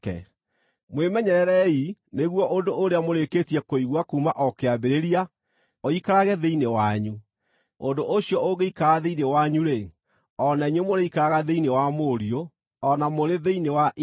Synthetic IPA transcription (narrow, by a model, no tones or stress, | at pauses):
kɛ̰ | mwemɛɲɛɾɛɾɛineɣwɔʔondoʔːɾeamoɾeketiɛkoiɣwakuːmaʔɔkeabeɾeɾia | oikaɾaɣɛðeinewaɲu | ondoʔoɕiɔoɣeikaɾaðeinewaɲuɾe | ɔnaɲemoɾeikaɾaɣaðeinewamoɾio | ɔnamoɾeðeinewaʔ